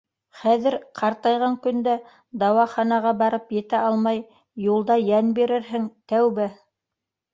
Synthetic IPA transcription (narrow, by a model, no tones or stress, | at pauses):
χæðɘɾqʰɑɾt̪ɑjʁɑŋkɵ̆nd̪æ | d̪ɑwɑχɑnɑʁɑbɑɾɤpjɘ̆t̪æʔɑlˠmɑj | julˠd̪ɑjænbiɾɘɾɦɘŋt̪æwbɘ